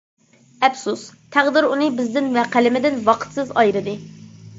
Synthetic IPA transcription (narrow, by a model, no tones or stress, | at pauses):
ɛpsust̪ʰæʁd̪ɪɾunɨbɪzd̪ɪnvɛqʰælɪmɪd̪ɪnwɑqʰə̥t̪sɨzɑ̰jɾɨd̪ɨ